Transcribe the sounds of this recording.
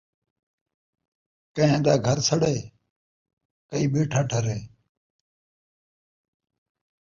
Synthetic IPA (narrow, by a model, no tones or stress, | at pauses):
kəẽːd̪aːɡʱəɾsəɽeː | kəiːɓeːʈʰaːʈʰəɾeː